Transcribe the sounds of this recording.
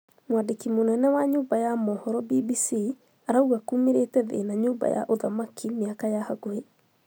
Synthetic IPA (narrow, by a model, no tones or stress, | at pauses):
mwadikimunɛnɛwaɲubajamɔhɔɾɔbibisi | aɾauɡakumiɾeːtɛðḛnaɲuba̰ja̰ʔoðamakʰːimiakajahaɡohe